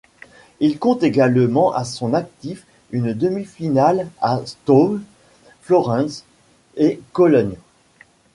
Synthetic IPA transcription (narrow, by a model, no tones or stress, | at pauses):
ilkɔ̃t̪eɡalmɑ̃ʔasɔ̃nak̚t̪if | ynd̪əmifinalast̪om | flɔʁɑ̃s | ekɔlɔn